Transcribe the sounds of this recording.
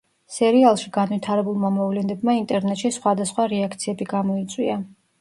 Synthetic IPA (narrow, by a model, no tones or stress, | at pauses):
sɛɾialˠʃiɡanwit̪ʰaɾɛbulˠmamɔvlɛnɛbmaint̪ʼɛɾnɛt̪ʃisχwad̪asχwaɾɛakʰt̪sʰiɛbiɡamɔit̪sʼwia